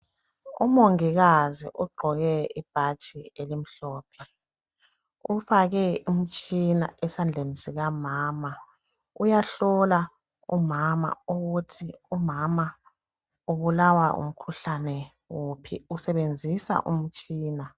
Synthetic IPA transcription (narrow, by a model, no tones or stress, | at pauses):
ṵmoŋiɣazḭʔuɡ͡ǃʱɔɣɛib̥ʱat͡ʃʼielim̩ɬɔːpʰɛ | ufaɣɛum̩t͡ʃʼina̰ɛsand͡ɮʱenisiɣamaːma | ujaɬɔla | umama̰uɣutʰiumama | uβulawa̰ṵm̩kʰuɬanɛ | wopʰḭusɛβend͡zʱisa̰ʔṵm̩t͡ʃʼiːna